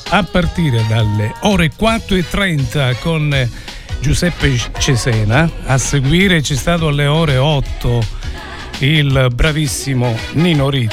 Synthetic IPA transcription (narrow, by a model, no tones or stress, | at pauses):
apːart̪iːɾed̪alːeɔːɾekwat̪ːʊɛt̪ːɾɛnt̪akon | d͡ʒusɛpːet͡ʃesɛːnaasːeɡwiːɾet͡ʃɛst̪aːt̪̬ʊalːeɔːɾeɔt̪ʰːo | ilbɾavisːimʊninoɾi